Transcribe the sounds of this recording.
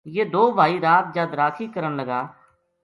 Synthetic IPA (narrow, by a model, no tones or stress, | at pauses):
jeːd̪oːbʱaːiːɾaːt̪̚d͡ʒaːd̪ɾaːkʰiːkəɾənləɡaː